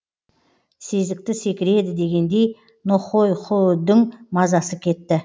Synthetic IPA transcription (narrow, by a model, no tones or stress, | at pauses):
se̞zɪk̚t̪ɪse̞kʲɪɾe̞d̪ɪd̪e̞ɡʲe̞nd̪e̞j | noχo̞jχʰod̪ɪŋmɑzɑsəkʲʰe̞t̪ːɪ